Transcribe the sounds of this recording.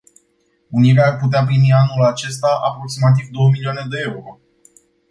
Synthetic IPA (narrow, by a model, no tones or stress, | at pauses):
uniɾeaːrput̪̬eap̬ɾimianulat͡ʃe̞st̪aʔapɾo̞ksimat̪̬ivd̪o̞wəmilioane̞d̪e̞e̞uɾo̞